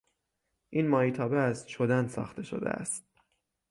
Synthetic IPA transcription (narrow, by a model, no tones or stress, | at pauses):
ʔiːnmɒːiːt̪ʰɒːbeæst̪ʃod̪ænsɒ̰ːxt̪ʰe̞ʃo̰d̪ḛʔæ̰st̪̚